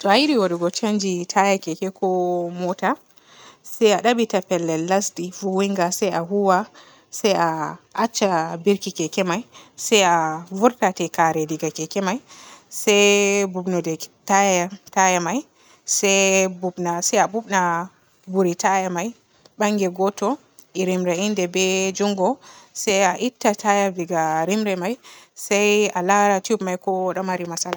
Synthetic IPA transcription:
tɔajiɾiwaɗuɡɔt͡ʃaɲd͡ʒitʰajakɛkɛkʰɔmɔta | sɛjaɗaɓitapɛlːɛlːasdifuwiŋɡasajaɦuwa | sɛjaʔat͡ʃːabiɾkikɛkɛmajsajavuɾtatɛkaɾɛdiɡakɛkɛmajsɛjbubnɔdɛtajtajamaj | sɛjbubnasajabubna | buɾitajamaj | ɓaŋɡɛɡɔtɔ | iɾimɾɛindɛbɛd͡ʒuŋɡɔsɛjaʔitːatajaviɡaɾimɾɛmajsajalaɾatubmajkɔɗɔmaɾimasala

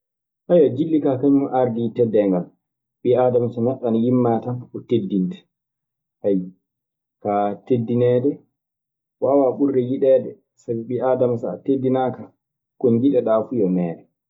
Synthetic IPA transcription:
ʔajad͡ʒilːikakaɲumʔaɾditɛdɛŋɡal | ɓiadamasanaɗːanjimːatanɔtedːintɛ̥ | ʔaj | katedːinɛːdɛ | wawaɓuɾːɛjiɗɛːdɛ | sabiɓiadamasa̰tedːinaːka | kɔnd͡ʒiɗɛɗafujɔmɛːɗɛ

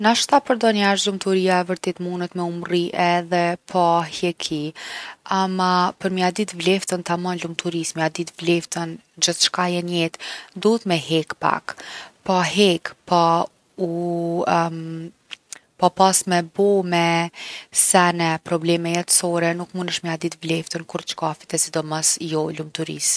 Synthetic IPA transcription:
naʃt̪apəɾd̪ɔnaʃlumt̪uɾijaɛvəɾt̪ɛt̪munət̪mɛumriʔɛðɛpʰɔhɛkʰi | amapəɾmiad̪it̪vlɛft̪ənt̪amɔnlumt̪uɾismiad̪it̪vlɛft̪ən | d͡ʑəθʃkajɛnɛt̪d̪uɦət̪mɛɦɛkpa̰kpaɦɛkpa | u | papasmɛbɔmɛ | sɛnɛpɾɔblɛmɛjɛt̪sɔɾɛnukmunəʃmiad̪it̪vlɛft̪ənkuɾt͡ʃkafi̥t̪ɛsid̪ɔməsjɔlumt̪uɾḭs

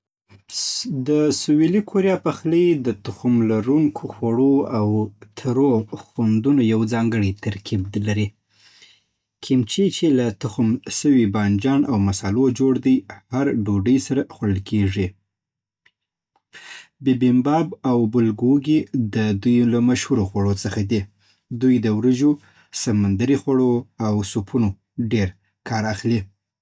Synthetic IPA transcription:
d̪əsuwelikʰoɾijɑpaxləjd̪ət̪ʊxumlaɾuŋkʰoxwaɽoawt̪ʰaɾoxand̪unojawd͡zɑŋɡəɽit̪ʰaɾkʰiblaɾi | kʰɪmt͡ʃit͡ʃelat̪ʊxumʃəwibɑnd͡ʒɑnʔawmasɑlod͡ʒoɽd̪əjhaɾɖoɖəjsaɾaxaɽəlkʰeʐi | bibɪmbɑbawbʊlɡoɡid̪əd̪ujlamaʃhuɾoxwaɽot͡səxad̪i | d̪ujd̪əwɾəʒo | samand̪aɾixwaɽoawsupʰuno | ɖeɾ | kʰɑɾaxli

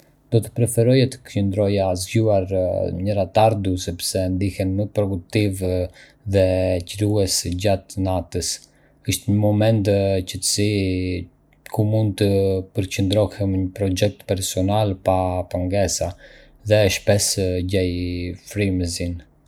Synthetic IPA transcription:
d̪̥ɔt̪ə̥pɾɛfɛɾɔjɛt̪ə̥kt͡ʃənd̪ɾɔjazɟuaɾɲəɾat̪aɾd̪usɛpsɛnd̪ihɛnməpɾɔd̪uk̚t̪iv | ðɛcɾuɛsɟat̪nat̪əs | əʃt̪ɲəmɔmɛnt̪cət̪ə̥si | kʰumund̪̚t̪əpəɾcənd̪ɾɔhɛmɲəpɾɔd͡ʒɛk̚t̪pɛɾsɔnalpapaŋɡɛsa | ðɛʃpɛsɟɛjfɾiməzin

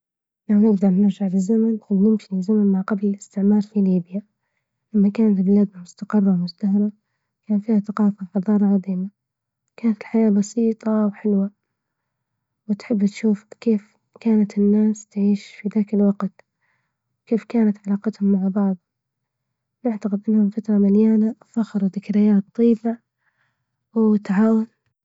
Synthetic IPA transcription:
lawnɪɡd̪ɑɾˤnɪɾˤʒaʕbɪzːamanɪnɪmʃiɪzamanmaʕqɑblɪlɪst̪ɪʕmɑːɾˤfiliːbja | lamːakaːnat̪lbɪlaːd̪amʊst̪aqɑrˤːɑwmʊst̪aɦɑɾˤɑ | kaːnfiːhaθaqɑːfaħɑðˤɑːɾˤɑʕɑðˤiːma | kaːnat̪ɪlħajaːbɑsiːt̪ˤɑwħɪlwa | wɪt̪ħɪbːt̪ʃuːfkeːf | kaːnat̪ɪnːaːst̪ʕiːʃfiðaːkɪlwɑɡt̪ | keːfkaːnat̪ʕalaːqɑt̪hʊmːaʕbɑʕðˤ | nɪʕt̪aqɪd̪ʔɪnːhʊmfat̪ɾˤɑmaljaːnaʔfaxɪɾˤuðɪkaɾɪjaːt̪ˤːiːba | wt̪ʕaːwan

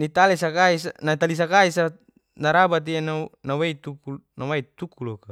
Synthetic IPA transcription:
nit̪alesakaisanat̪alis̬akaisa | naɾabat̪̬iananaweit̪ukunawait̪ukuloka

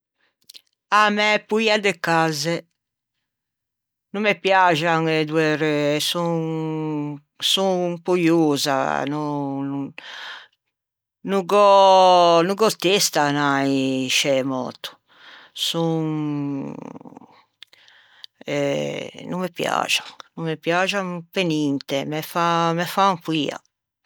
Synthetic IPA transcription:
amɛpuiad̪ɛkːazɛ | numːɛpjaʒaŋɛd̪uɛɾsuŋ | supujuːza̰nunu | nuɡɔ | nuɡɔt̪ːest̪anajʃɛmɔ̰ːt̪u̥ | suŋ | ɛnumːɛpja̰ːd͡ʒanumːɛpjad͡ʒaŋpenint̪ɛmɛfamɛfaŋkwiːa̰

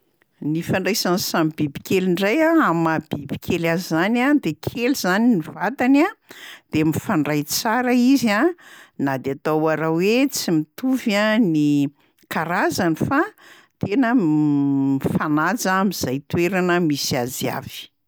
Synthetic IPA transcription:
nifaɳɖ͡ʐajsansambibi̥keliɳɖ͡ʐajaamab̥ibi̥kʲʰelazizanad̪ekʰelizaninivat̪anad̪̥emifaɳɖ͡ʐajt͡saɾaizanad̪eat̪awaɾawwet͡simit̪uvani | kaɾazanifa | t̪enə | mifanad͡zamiz̥ajt̪weɾanəmisazia̰v̥i̥

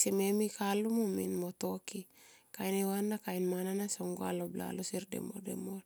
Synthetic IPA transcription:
sememikalumumḭnmoto̞ki | kajnewanːakajnmananasoŋɡoa̰lobla̰losiɾdḛmo̰dḛmol

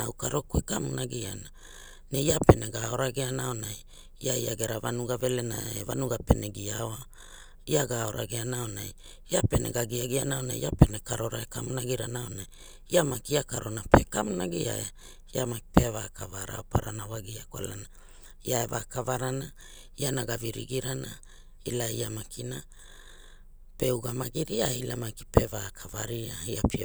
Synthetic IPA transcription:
awkaɾo̞kuekamunaɡiana | nejape̞neɡao̞ɾaɡeanao̞naj | iaiaɡe̞ɾavanuɡave̞lenaevanuɡape̞neɡiaoa | iaɡao̞ɾʔa̰ɡeanao̞naj | iape̞ne̞̰ɡaɡiaɡianaonajiape̞ne̞kaɾo̞ɾaekamunaɡiɾanaonaj | iamakiakaɾonapekamnaɡia̰e | iamaki̥pevakavaɾa̰opʰaɾanawaɡiakwa̰lana | iaeva̰kavaɾana | ianaɡaviɾḭɡiɾana | ilaiamakʰina | pe̞uɡamaɡiɾiailamaki̥pe̞vakʰavaɾiaiapʰi

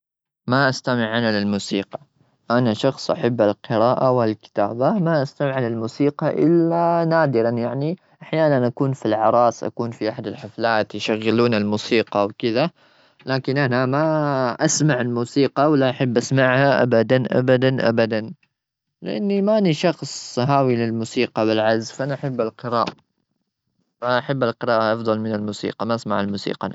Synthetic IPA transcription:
maʔast̪amɪʕːanalɪlmuːsiːqɑ̥ | ʔanaʃɑxsˤʔaħabːalqɨɾɑːʔawɪlkɪ̥t̪aːbamaʔast̪amɪʕalalmuːsiːqɑʔɪ̰lːanaːd̪ɪɾɑnjaʕni | ʔaħjaːnanʔakuːnfilʕɑɾˤɑːsˤʔa̰kuːnfiʔaħad̪ɪlħaflaːt̪jʃaɣːɪluːnalmuːsiːqɑwkɪða | laːkɪnʔanamaʔasmaʕɪlmuːsiːqɑwɪlaʔaħɪbːʔasmaʕhaʔa̰bad̪anʔa̰bad̪anʔa̰bad̪an | lɪʔa̰nːimaʔaniʃɑxsˤɦaːwilɪlmuːsiːqɑbɪlʕazfaʔanaʔaħabːalqɨɾa̰ːʔa | maʔaħabːalqɨɾɑːʔaʔɑfd̪ˤɑlmɪnalmuːsḭːqɑmaʔasmaʕalmuːsḭːqɑ̰

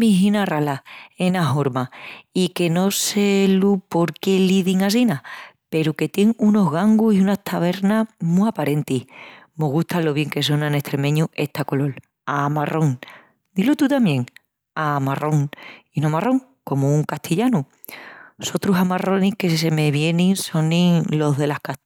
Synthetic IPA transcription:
miɦinaralae̞naɦo̞ɾmaike̞no̞selupo̞ɾke̞liðiŋas̬ina | pe̞ɾuke̞t̪je̞ŋuno̞ɦɣaŋɡuhiunaht̪ʰaβ̞e̞ɾnahmuapaɾe̞nt̪ihmo̞ɣuht̪ʰalo̞β̞je̞ŋke̞s̬o̞nãne̞ht̪ɾe̞mẽ̞ɲue̞ht̪ako̞lo̞l | amarʔo̞ŋ | d̪ilot̪ut̪amjẽ̞ŋ | amarʔo̞ŋinomaro̞ŋ | ko̞mouŋkaht̪ʰiʎanu | so̞t̪ɾusamaro̞nihke̞s̬e̞meβje̞nĩŋso̞nĩŋlo̞ɦðe̞lahkat̪

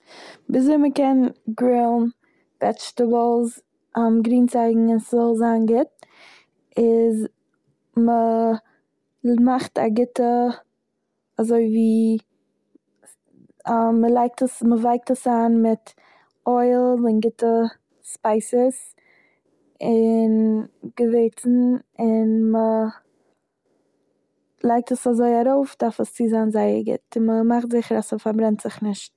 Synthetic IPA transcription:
bɪzoɪməkɛnɡɹɪlˠm | b̥ɛt͡ʃtəblˠz | amɡɾiːnt͡saɪɡŋ̩ɪnszɔlˠzaːnɡɪt̚ | ɪz | mə | maχta̰ɡɪtə | azoɪviː | məlˠaɪk̚təsməvaɪk̚təsaːnmɪt | ɔɪlˠɪnɡɪtə | spaɪsəs | ɪnɡ̥əveɪt͡sn̩ɪnmə | lˠaɪk̚təsazoɪaɾoʊfdaɾfəst͡siːzanzaɪə̰ɾɡɪ̰tɪməmaχtzɪχəɾasəfaɾbɾɛntz̥ɪχnɪʃt̚

